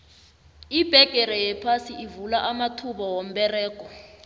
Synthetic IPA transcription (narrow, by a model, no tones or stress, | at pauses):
ib̥ʱɛɡ̥ʱʼɛɾɛjɛpʰasiʔivulaʔamatʰuɓɔwom̩ɓɛrɛːkʼɔ